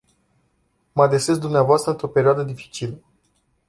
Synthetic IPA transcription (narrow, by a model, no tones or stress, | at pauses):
məad̪ɾeses̬d̪umneavoast̪ɾəɨnt̪ɾo̞pe̞ɾioad̪əd̪ifi̥t͡ʃilə